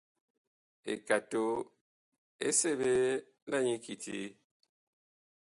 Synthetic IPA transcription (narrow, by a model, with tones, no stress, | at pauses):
ḛ˨ka˨to˦ | ḛ˦se˦˨βe˦ | la˦˨ɲi˦ki˨tʰḭ˨˦